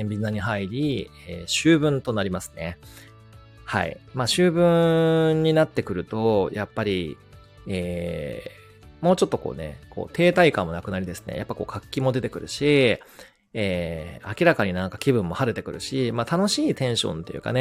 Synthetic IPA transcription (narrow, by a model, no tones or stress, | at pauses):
ẽmbʲiaɲ̟iɦaiɾʲi | eːɕɨːbɯ̟̃nt̪o̞naɾʲimasɨ̥ne̞ | ha̰ḭmaːɕɨːbɯ̟̃ɲ̟ːinat̪ːe̞kɯ̟ɾɯ̟t̪o̞japːaɾʲi | eː | mo̞ːt͡ɕo̞t̪ːo̞ko̞̰ːne̞̰ko̞̰ːt̪e̞ːt̪aikãmːo̞nakɯ̟naɾʲid̪e̞sɨ̥nḛja̰pːako̞̰ːkʰakʲːimo̞d̪e̞t̪e̞kɯ̟ɾɯ̟ɕi | eːakʲiɾakaɲ̟inãŋkakʲibɯ̟̃mːo̞haɾe̞t̪e̞kɯ̟ɾɯ̟ɕimaːt̪ano̞ɕiːt̪ẽ̞ɰ̃ɕõ̞̰nt̪e̞̰jɯ̟̰ka̰ne